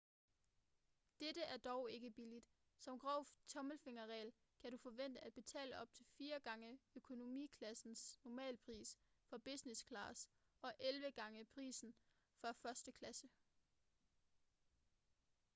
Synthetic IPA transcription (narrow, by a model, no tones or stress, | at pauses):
d̥eɾəæɐd̥ɒʊe̝ɡ̥əb̥ilid̥ | sɒ̽mɡ̥ʁɒʊ̰t͡sʰɒ̽məlfe̝ŋɐʁɛ̰ːl | kʰæɾ̥ufɒ̽ʋen̰d̥əæd̥̚b̥e̝t͡sʰɛ̰ːləɒ̽b̥̚t͡sʰe̝lfiːɐɡ̥ɑ̈ŋəøkʰo̝no̝mḭːkʰlæsn̩snɒmɛ̰ːlpʰʁḭːsfɒ̽b̥isneskʰlɑ̈ːsɒ̽ʔelʋəɡ̥ɑ̈ŋəpʰʁḭːsn̩ | fɒ̽fɶɐsd̥əkʰlæsə